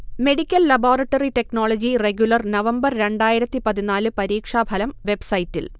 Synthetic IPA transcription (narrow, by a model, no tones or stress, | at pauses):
me̞ɽikʲːɐlːɐbo̞ːrɐʈːɐriʈe̞knoːɭod͡ʑireɡjulɐrnɐʋɐmbɐrɾe̞ɳɖaːjiɾɐt̪ːipɐðinaːlɨpɐɾiːkʂaːbʱɐlɐmʋe̞bsɐjtːḭl